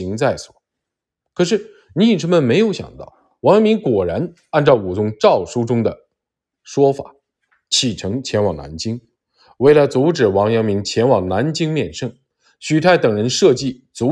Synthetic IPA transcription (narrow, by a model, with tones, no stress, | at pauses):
i˧˥ŋt͡sa˥˩ɪswɔ̥̰˨˩˦ | kʰɤ˨˩ʂ̬ɻ̩˥˩ | ni˧˥i˨˩ʈ͡ʂʰə˧˥nmə˨nme˧˥ɪjo˧˥ʊɕjɑ̰˨˩ŋt̪ɑ̰˥˩ʊ | wɑ˧˥ŋjɑ˧˥ŋmi˧˥ŋkwɔ˨˩ɻa˧˥n | a˥˧nʈ͡ʂɑ˥˩ʊu˨˩t͡sʊ˧˥ŋʈ͡ʂɑ˥˩ʊʂu˥ʈ͡ʂʊ˥ŋd̪ə˨ | ʂwɔ˥fa̰˨˩˦ | t͡ɕʰi˨˩ʈ͡ʂʰɤ˧˥ŋt͡ɕʰjɛ˧˥nwɑ˨˩ŋna̰˧˥nt͡ɕi˥ŋ | we˥˩ɪla˧˥t͡su˧˥ʈ͡ʂɻ̩˨˩wɑ˧˥ŋjɑ˧˥ŋmi˧˥ŋt͡ɕʰjɛ˧˥nwɑ˨˩ŋna˧˥nt͡ɕi˥ŋmjɛ˥˧nʂɤ˥˩ŋ | ɕy˨˩t̪ʰa˥˩ɪt̪ɤ˨˩ŋɻə˧˥nʂɤ˥˧t͡ɕi˥˩ | t͡su˧˥